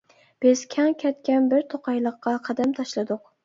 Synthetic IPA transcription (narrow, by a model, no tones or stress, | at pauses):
b̥ɪz̥kʲʰɛŋkʲʰɛt̪kʲɛnbɪɾt̪ʰoqʰɑjlˠəqʰːɑqʰɑd̪æmt̪ʰɑʃlˠɨd̪ʊq